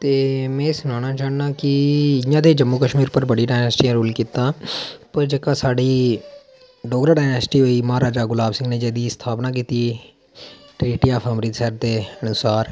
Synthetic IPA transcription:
t̪eːmɛ̃ːsʊnaːnaːt͡ʃaːnnãːkɪɪjãːd̪eːd͡ʒəmːuːkəʃmiːɾpəɾbəɽiːɖaːɪnɛːsʈiːãːɾuːlkiːt̪ãːpəɾd͡ʒeːkãːsaːɖiː | ɖoːɡɾaːɖaːjnɛːsʈiːɦoːiːməɦaːɾaːd͡ʒaːɡʊlaːbsɪ̃ŋɡneːd͡ʒeːd̪iːst̪ʰaːpnãːk̬iːt̪iː | ʈɾiːʈijaːpʰaːmɾiːsɛːɾt̪eːənʊsaːɾ

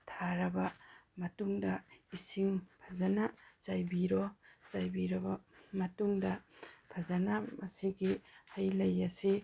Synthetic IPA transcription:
tʰaɾɐbɐmɐtuŋdɐisiŋpʰɐzɐnazajbiɾɔzajbiɾɐbɐmɐtuŋdɐpʰazɐnɐmɐsiɡihɐjlɐjɐsi

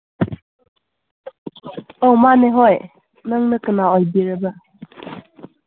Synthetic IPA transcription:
ɔwmanɛɦɔj | nəŋnəkənaɔjbiɹəba

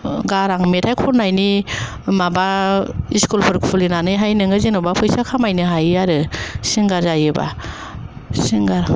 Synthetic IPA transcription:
ɡaɾaŋmetʰajkʰɔɾnajni | mabaiskulpʰɯɾkʰpʰulinanɯjɦajnɯŋɯzinɔbapʰɯjsakʰamajnɯɦajaɾɯsiŋɡaɾzajɯba̰ | siŋɡaɾ

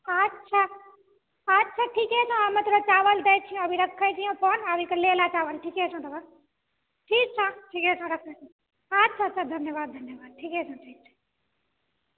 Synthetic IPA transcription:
ətːʃʰa | ɐtːʃʰaʈʰiːkɛt͡ʃʰõaːmẽt̪oɾat͡ʃaːʋəld̪eːt͡ʃʰijũɐbʱiɾɐkʰːəjt͡ʃʰijõpoːnabʱikəleːlat͡ʃaːʋəlʈʰiːkɛt͡ʃʰõt̪ɐba | ʈʰiːk̚t͡ʃʰãʈʰiːkɛt͡ʃʰõɾɐkʰət͡ʃʰ | ɐtːt͡ʃʰatːt͡ʃʰad̪ʱɐnjəʋaːd̪̚ʱɐnjəʋaːd̪̚ʈʰiːkɛt͡ʃʰãʈʰiːk̚t͡ʃʰḁ

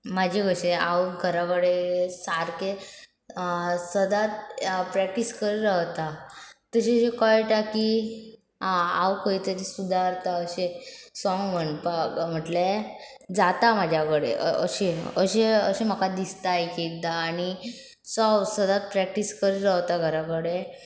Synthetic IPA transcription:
mad͡ʑʱiɡəɕeawɡʱəɾaʋəɽesaɾke | səd̪at̪̚pɾæk̚ʈiskəɾiɾəɦt̪at̪əɕẽəɕekɔjʈaki | awkəit̪əɾisud̪ʱaɾt̪aəɕesɔŋɡm̤əɳpam̤əʈle | d͡zat̪amad͡ʑʱjakəɽḛʔəə̰ɕeəɕeəɕem̤əkad̪ist̪ajkid̪aːɽi | sɔsəd̪at̪̚pɾɛk̚ʈiskəɾiɾəɦt̪aɡʱəɾakəɽe

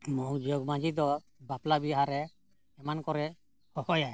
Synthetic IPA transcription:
mɔŋd͡ʒɔɡmad͡ʒid̪ɔ | baplabiɦaɾɛː | mankɔɾɛ | hɔhɔjaj

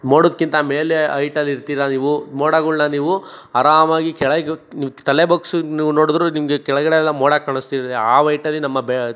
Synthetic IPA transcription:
moːɽoːd̪̚kint̪ɐmeːleɐjʈɐlːiɾt̪iːɾɐniːʋumoːɽaɡuɭːaniːʋu | ɐɾaːmaːɡikɛɭɐniʋt̪ɐlebɐksniːʋunoːɽd̪ɾunimɐɡekɛɭɐɡɐɽeɛlːɐmoːɽakɐɭust̪iːɾɐeaːʋɐjʈɐlːinɐmːɐbe

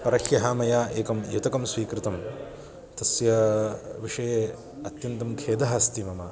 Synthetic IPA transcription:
pɐɾɐʃjɐɦaːmɐjaːʔeːkɐmjut̪ɐkɐmsʋiːkɾɪt̪ɐm | t̪ɐsjɐʋiʂɐjeː | ɐt̪jɐnt̪ɐmkʰeːd̪ɐɦɐst̪imɐmɐ

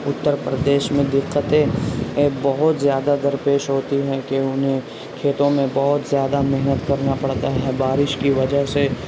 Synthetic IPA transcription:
ʊt̪ːəɾpɾəd̪eːʃmẽd̪ɪqːət̪ẽ | bɐɦʊt̪zjaːd̪ad̪ɐɾpeːʃɦoːt̪iɦɛkeʊnɦẽ | kʰeːt̪õmẽbɐɦʊt̪zjaːd̪amɪɦnət̪kɐɾnapɐɽt̪aɦɛbaːɾɪʃkiʋɐd͡ʒəɦse

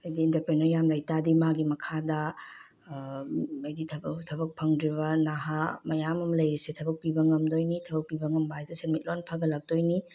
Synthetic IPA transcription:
ɐjdiintɐɾpɾenɔjamlajtadimaɡimɐkʰadɐ | ɐjditʰɐbtʰɐbɐk̚pʰɐŋdɾiβɐnaɦamɐjamɐmlɐjɾisetʰɐbɐk̚pibɐŋɐmdojnitʰɐbɐk̚pibɐŋɐmbajzesenmit̚lonpʰaɡɐlɐk̚d̥ojni

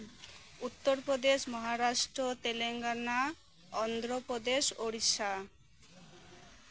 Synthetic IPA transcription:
ut̪ːoɾpɾod̪eʃmɔɦaɾaʃʈɾot̪eleŋɡana | ɔnd̪ɾopɾod̪eʃoɾiʃa

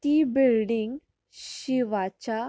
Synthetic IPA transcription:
t̪ibilɖiŋɡ | ɕɕiʋat͡ɕa

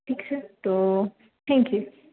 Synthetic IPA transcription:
ʈiːksɛt̪o | t̪ʰɛ̃ːŋkju

